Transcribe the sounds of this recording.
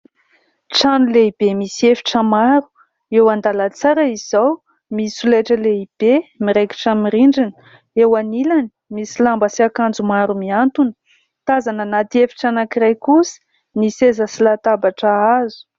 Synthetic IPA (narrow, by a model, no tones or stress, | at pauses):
ʈ͡ʂanuleib̥emisiefi̥ʈ͡ʂəmaɾu̥ | ewand̪alət͡saɾəiz̥aw | misulejʈ͡ʂəleib̥emiɾeki̥ʈ͡ʂamiɾiɳɖ͡ʐinə | ewanilani̥misilambəsiakand͡zumaɾumiant̪unə̥ | t̪azanənat̪iefi̥ʈ͡ʂanakiɾajkusi̥ | nisezəsilat̪abaʈ͡ʂaazu̥